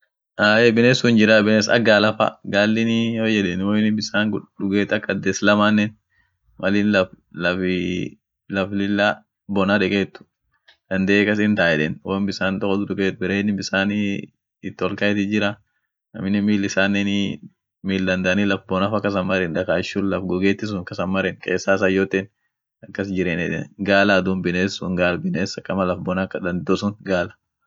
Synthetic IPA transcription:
ʔaːjebɪneːsund͡ʒɪɾabɪneːsɐ̰ɡːaːlɐfa̰ɡaːlːɪnɪoːjɛᶑɛːnwɔɪnɪbɪsaːŋɡʊɗʊɡeːt̪ːɐkːɐd̪eslɐmanːɛn | mɐlɪnlɐ | lɐfɪ | lɐflɪlːaː | bɔnaᶑɛkʼeːt̪ːʊ̥ | d̪ɐnd̪ɛʔeːkɐs̬ɪnt̪aːjɛᶑɛ̰nwɐmbɪsaːnt̪ɔkːɔt̪ʊd̪ʊkʼeːt̪bɪɾeːnːɪbɪsaːniː | t̪ːɔlkɐɛt̪ɪd͡ʒɪɾɐ | ɐ̰mɪnɛmiːlːɪsaːnːɛn | miːld̪ɐnd̪ɐnilɐfbɔnafɐkːɐs̬ɐnmːɐɾɪnᶑ̪ɐkaːɪʃːunlɐfɡɔɡeːt̪ːɪs̬ʊnɐkːɐsɐnmɐɾɛnkʼḛːsːaːs̬ɐjːoːt̪ɛn | ɐkːɐs̬d͡ʒɪɾeːnɛd̪ɛ̰ɡaːlaːd̪ʊmbɪneːsːʊŋɡaːlbɪneːsɐkːɐmɐlɐfbɔnakːɐd̪ɐnd̪ɔsʊnɡaːlɐ̥

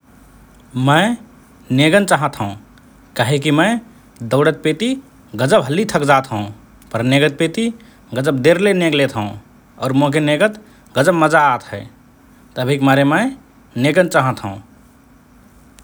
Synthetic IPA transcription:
mə̃ɪ | neɡənt͡ʃaɦət̪ɦə̃ũ | kaɦekimə̃ | d̪əʊɽət̪̚pet̪i | ɡəd͡ʒəbɦəlit̪ʰəkd͡ʒat̪ɦəũ | pəɾneːɡət̪̚pet̪i | ɡəd͡ʒəb̚d̪eɾleneɡlet̪ʰɦṵ̃ | ɔːɾmõkeneɡət̪ | ɡəd͡ʒəbməd͡ʒaːt̪ɦɛɪ | t̪əbʱikmaɾemə̃ɪ | neɡənt͡ʃaɦət̪ɦə̰̃

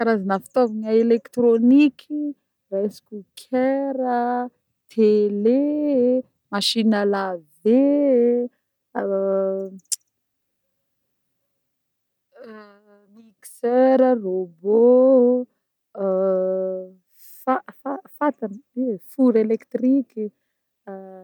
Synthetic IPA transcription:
kaɾazanafi̥t̪oviɲaelekt̪ronikʲʰi | raeskikʰɛɾə | t̪ʰele | maʃinalave | mikseɾərobo | fafafat̪anifuɾelekt̪riki

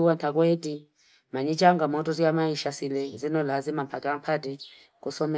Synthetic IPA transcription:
wantʰak̬wedʼi | maɲid͡ʒaŋɡamɔtʼɔziamaiʃasilɛzinɔlazimam̩pʰataampʰadɛ | kusɔmɛ

